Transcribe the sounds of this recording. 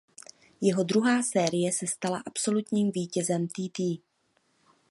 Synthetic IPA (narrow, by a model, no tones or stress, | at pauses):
jɛɦo̞d̪ɾuɦaːsɛːɾɪjɛsɛst̪ala̰ʔapso̞lut̪ɲiːmviːcɛzɛmt̪iːt̪iː